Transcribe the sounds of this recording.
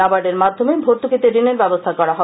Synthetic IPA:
abaɾɖeɾmad̪ʱːomebʱoɾt̪ukit̪eɾineɾbɛbost̪ʰakɔɾaɦɔ

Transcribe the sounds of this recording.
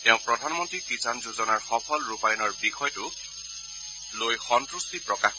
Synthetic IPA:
teʊ̃pɹɔdʱanmɔntɹikɹisanzuzɔnaɹxɔpʰɔlɹupajɔnɔɹbixɔjtʊ | lojxɔntɹustipɹɔka

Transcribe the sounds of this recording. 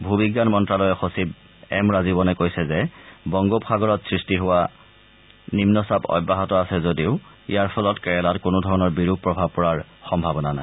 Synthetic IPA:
bʱubiɡːanmɔntɹalɔjɛxosib̚ | ɛ̰mɹazibɔnɛkojsɛzɛbɔŋɡopxaɡɔɹɔtsɹistiɦʊwa | nimnɔsabɔ̰jbːaɦɔtɔasɛzodiʊ | ḭjaɹpʰɔlɔtkɛɹɛlatkʊnʊdʱɔɹɔnɔɹbiɹuɡ̚pːɹɔbʱab̚pɔɹaɹxɔmbʱabɔnanaj

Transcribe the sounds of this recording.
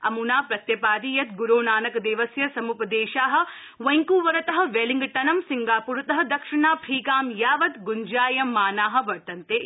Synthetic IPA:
ɐ̰munaːpɾɐt̪jɐpaːd̪iːjɐt̪̚ɡuɾoːnaːnɐkɐd̪eːʋɐsjɐsɐmupɐd̪eːʃaːɦɐ̆ | ʋɐjŋkuːʋɐɾɐt̪ɐɦɐ̆ʋeːliŋɡʈ̪ɐnɐmsiŋɡaːpuːɾt̪ɐɦɐ̆d̪ɐkʂiɳaːpʰɾiːkaːmjaːʋɐt̪ɡuɲd͡ʒaːjɐmːaːnaːɦɐ̆ʋɐɾt̪ɐnt̪eː

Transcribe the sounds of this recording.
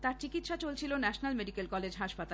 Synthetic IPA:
t̪aɾt͡ɕikit̪ʃat͡ɕolt͡ɕʰilonɛʃonalmeɖikelkɔled͡ʑʱɦaʃpat̪a

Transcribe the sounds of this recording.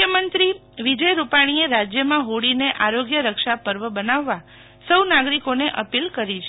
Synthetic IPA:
jəmənt̪ɾiʋid͡ʒəjɾupaɽ̃ieɾad͡ʒjəmãɦoɽineʔaɾoɡjəɾəkʃapəɾʋəbənaʋːa | səwnaɡɾikoneʔəpilkəɾit͡ʃʰe

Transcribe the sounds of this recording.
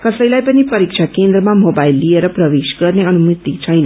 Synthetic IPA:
kʌsəjlajpənipʌɾikʃʰakẽnd̪ɾəmãmobailːieɾɔpɾəʋeʃkʌɾneʌnumut̪it͡ʃʰʌjna

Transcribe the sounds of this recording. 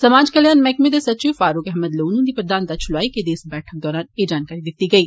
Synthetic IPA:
sɐmaːd͡ʒkɐljaːnmɛːkmed̪esɐt͡ʃiːʋfaːɾuːkɛɦɛməd̪loːnũd̪ipɾəd̪ʱaːnt̪at͡ʃʰʊlaːiked̪eːsbɛːʈʰək̚d̪ɔːɾaːneːd͡ʒaːnkaːɾid̪ɪt̪iɡɐiː

